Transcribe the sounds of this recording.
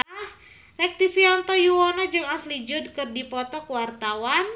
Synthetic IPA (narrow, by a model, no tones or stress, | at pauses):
h | rɛk̚t̪ifiant̪ɔjuwɔnɔd͡ʒɨŋaslid͡ʒʊd̚kɨrdipɔt̪ɔkəwart̪awan